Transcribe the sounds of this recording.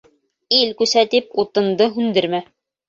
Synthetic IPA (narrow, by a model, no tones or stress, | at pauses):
ilkʉsæt̪ip̚ut̪ɤ̆nd̪ɤɦʉnd̪ɘ̆ɾmæ